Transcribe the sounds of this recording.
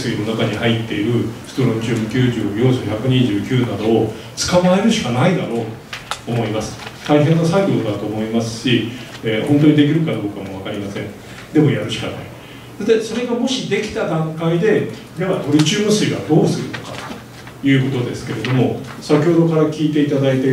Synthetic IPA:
sɨɡʲino̞nakaɲ̟ihait̪ːe̞iɾɯ̟sɨ̥t̪oɾõ̞ɲ̟t͡ɕɨːmɯ̟kʲɨːʑoːjoːsoçakɯ̟ɲ̟iʑɨːkʲɨːnad̪o̞ː | t͡sɨ̥kamae̞ɾɯ̟ɕi̥kanaid̪aɾo̞ː | mo̞imasɨ̥t̪aiɦẽ̞nːasaikod̪od̪at̪o̞ːmo̞imasɨ̥ɕi | eːhont̪o̞ɲ̟id̪e̞k̬ʲiɾɯ̟kad̪o̞ːkamo̞β̞akaɾʲimasẽ̞ɴ | d̪e̞mo̞jaɾɯ̟ɕi̥ka̰na̰i̥ | at̪eso̞ɾe̞ɡamo̞ɕid̪e̞kʲi̥t̪ad̪ãŋkaid̪e̞ | ɾeβad̪o̞ɾʲɯt͡ɕɨːmɯ̟sɨiβad̪o̞ːsɨɾɯ̟no̞kat̪o̥ | jɯ̟ːko̞t̪o̞d̪e̞sɨ̥ke̞ɾe̞d̪o̞mo̞sakʲehod̪o̞kaɾakʲiːt̪e̞it̪ad̪ait̪e

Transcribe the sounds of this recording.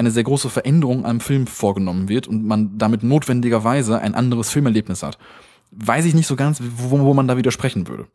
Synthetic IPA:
ʔaɪnəzeːɐɡʁoːsəfɛɐʔɛndəʁʊŋʔa̰ɪnəmfɪlmfoːɐɡənɔmənvɪɐtʊntmand̥amɪtnoːtv̥ɛndɪɡɐvaɪzəʔa̰ɪnʔa̰ndəʁ̞əsfɪlmɛɐleːpnɪsha̰t | vaɪs̬ɪçnɪçtz̥oːɡant͡sːvoːmandaːviːdɐʃpʁ̥ɛçn̩vʏ̰ɐdə̰

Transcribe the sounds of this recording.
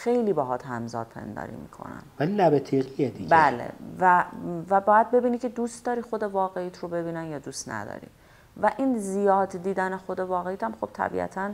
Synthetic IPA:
xe̞jliːbɒɦɒːt̪hæmzɒ̰ːd̪̚pʰe̞̰nd̪ɒ̰ːɾḭːmḭkʰo̞̰næ̰nvælilæbet̪ʰiɣied̪ibɟælḛvævæbɒːjæd̪̚be̞biːnicʰe̞d̪uːst̪d̪ɒːɾixo̞d̪e̞vɒːɣeiːt̪ʰrobe̞biːnænjɒːd̪ust̪næ̰d̪ɒ̰ːɾḭ | væʔiːnzijɒːd̪d̪iːd̪ænexo̞d̪e̞vɒːɣeiːt̪ʰæmxo̞b̥̚t̪ʰæ̰bḭʔæ̰t̪ʰæn

